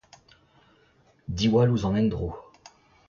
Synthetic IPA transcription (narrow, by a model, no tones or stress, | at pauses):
d̪iwaluzɑ̃nɛnd̪ʁo